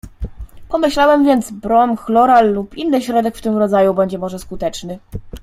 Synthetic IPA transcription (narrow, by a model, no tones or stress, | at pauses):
pɔmɘɕlawɛmvʲjɛnd̪zbɾɔmxlɔɾalːupinːɘɕɾɔd̪ɛkft̪ɘmɾɔd̪zajubɛɲd͡ʑɛmɔʐɛskut̪ɛt͡ʂnɘ